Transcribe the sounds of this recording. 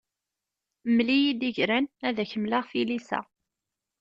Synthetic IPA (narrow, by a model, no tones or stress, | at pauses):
mlijid̪iʝɾænæðæçəmlaʁfilisæ̰